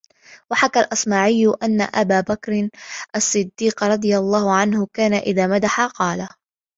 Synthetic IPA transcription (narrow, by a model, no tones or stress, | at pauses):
waħakalʔɑsˤmaːʕɪjːʊʔanːa̰ʔabaːbakɾɪʔasˤːɨd̪ːiːqɾˤɑd̪ˤɨjalˤːɑːhʊʕanhʊkaːnaʔɪðaːmad̪aħaqɑːla